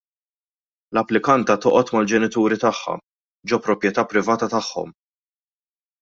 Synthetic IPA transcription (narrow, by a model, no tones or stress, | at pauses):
lɐpːlɪkɐnt̪ɐt̪ɔʔɔt̪mɐld͡ʒɛnɪt̪uːɾɪt̪ɐħːɐ̰ | d͡ʒɔpːɾɔpjɛt̪ɐːpːɾɪvɐːt̪ɐt̪ɐħːɔ̰m